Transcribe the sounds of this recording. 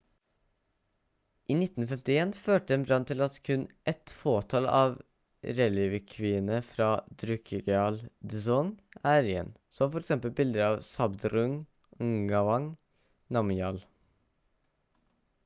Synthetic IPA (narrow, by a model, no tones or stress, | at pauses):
ʔiːnɪt̪ːn̩fɛmt̪ɪeːnføːʈəɛnbɾɑnt̪ʰɪlɑt̪kʰʉnʔɛt̪foːt̪ʰɑːlɑ̰ːʋ | ɾɛliːʋəkʰʋɪnəfɾɑːd̪ɾʉkʰəɡɛɑːld̪əsɔŋæːɾɪḛːn | sɔmfɔɾɛksɛmpəlbɪld̪əɾɑːʋsɑbd̪ɾʉŋ | ŋɡɑʋɑŋ | nɑmɪɑːl